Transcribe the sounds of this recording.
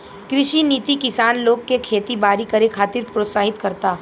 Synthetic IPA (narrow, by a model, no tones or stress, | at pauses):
kɾɪʃiniːt̪ikɪsaːnloːɡ̚kekʰeːt̪ibaːɾikɐɾekʰaːt̪ɪɾpɾoːt̪saːɦɪt̪kɐɾt̪aː